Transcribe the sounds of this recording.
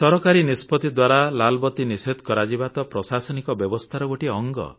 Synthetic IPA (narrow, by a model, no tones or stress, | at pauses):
t̪ɔɾɔkaɾinispɔt̪id̪waɾalalbɔt̪inised̪ʱkɔɾad͡ʒibat̪ɔpɾɔsasɔnikɔbjɔbɔst̪ʰaɾɔɡoʈiɔŋɡɔ̰